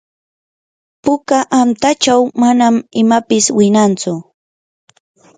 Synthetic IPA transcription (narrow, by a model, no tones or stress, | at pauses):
pʊkaʔamt̪at͡ʃawmanamɪmapɪswɪnant͡sʊ